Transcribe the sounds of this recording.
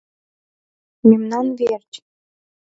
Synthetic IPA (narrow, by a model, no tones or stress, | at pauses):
memnɑnvert͡ɕ